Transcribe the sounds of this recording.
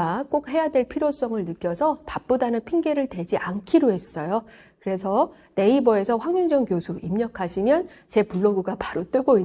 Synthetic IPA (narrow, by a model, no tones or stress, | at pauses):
ak͈ok̚he̞jadwe̞ɭpʰiɾjos͈ʌŋɯɭnɯk͈jʌsʰʌpap̚p͈odanɯnpʰiŋɡe̞ɾɯɭtwe̞d͡ʑiʔankʰiɾoɦe̞s͈ʌjo | kɯɾe̞sʰʌ | ne̞ibʌe̞sʰʌɸwaŋɲuŋd͡ʑʌŋkjosʰuʔimɲʌkʰaɕʰimjʌn | t͡ɕe̞puɭːoɡuɡapaɾot͈ɯɡoi